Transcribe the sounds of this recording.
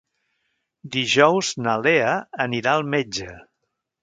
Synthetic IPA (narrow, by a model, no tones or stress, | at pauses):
d̪iʒɔwznəleəəniɾaəlˠmed͡ʒə